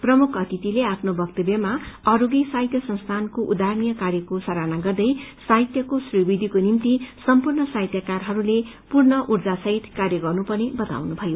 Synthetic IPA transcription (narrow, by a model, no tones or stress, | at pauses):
prʌmukʰʌt̪it̪ileapʰnobʱʌk̚t̪ʌbjʌmaʌɾoɡisaɦjt̪jʌsʌ̃nst̪ʰankoʔud̪aɾnijʌkarjʌkosʌɾanaɡʌrd̪ʌjsait̪jʌkosribid̪ʱikonimt̪isʌmpurnʌsaɦjt̪jʌkarɦʌɾule | purnʌʔurd͡zasʌɦit̪karjʌɡʌrnupʌnebʌt̪a̰wnubʱʌjo